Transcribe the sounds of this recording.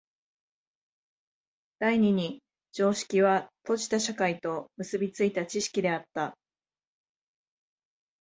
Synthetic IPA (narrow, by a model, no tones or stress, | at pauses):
d̪̥aiɲ̟iɲ̟i | d͡ʑo̞ːɕi̥kʲiβat̪o̞ʑi̥t̪aɕakait̪o̞mɯ̟sɨbʲit͡sɨit̪at͡ɕiɕi̥kʲid̪e̞at̪ːa